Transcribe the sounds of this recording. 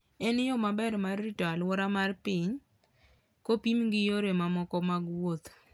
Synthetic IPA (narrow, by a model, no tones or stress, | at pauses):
ɛnɪjɔmabɛɾmarːitalwɔɾamarpɪɲ | kopimɡɪjoɾemamɔkɔmaɡwot̪